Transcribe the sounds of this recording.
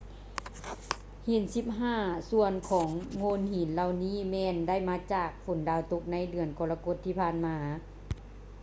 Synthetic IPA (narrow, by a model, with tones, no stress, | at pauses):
hi˨˩˦nsi˧˥p̚ɦaː˥˩su˧ənkʰɔː˩˦ŋːoː˧˥˨nhi˨˦nla˧˨wniː˥˨mɛː˧nda˥˩jmaː˧˥t͡ɕaː˨˩k̚fo˨˦ndaː˧˩wt̪o˧˥k̚na˧˥jdɯ˧˩ənkɔː˧la˧ko˧˥t̪ʰːiː˧˩pʰaː˧˥˨nmaː˧